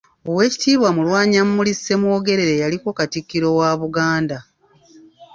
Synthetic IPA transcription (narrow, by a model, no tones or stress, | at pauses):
o̞we̞ːci̥tiːβwamulwaːɲamːulisːe̞mwo̞ɡe̞ɾe̞ɾe̞jaliko̞katikːiɾo̞waːβuɡaːnda